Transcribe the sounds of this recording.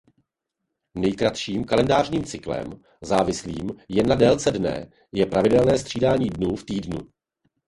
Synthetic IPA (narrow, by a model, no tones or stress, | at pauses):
nɛjkɾat̪ʃiːmkalɛndaːrɲiːmt͡sɪklɛ̰m | zaːvɪslḭːmjɛnːadɛːlt͡sɛdnɛ̰ | jɛpɾavɪdɛlnɛːst̪r̝̥iːdaːɲiːdnuːft̪iːdnṵ